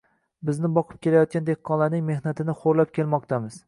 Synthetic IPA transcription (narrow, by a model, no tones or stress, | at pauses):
bɪznɪbɒqʰɨ̥p̚kʲʰe̞lajɒt̪̚kʲand̪eqʰːɒnlˠaɾnɪŋme̞hnat̪ʰɪnɪχoɾlap̚kʲʰelmɒq̚t̪ʰamɪz